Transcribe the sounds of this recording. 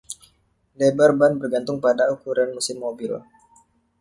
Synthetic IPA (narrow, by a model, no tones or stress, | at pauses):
lebarbanbərɡant̪ʊŋpadaukuɾanmusɪmːobɪl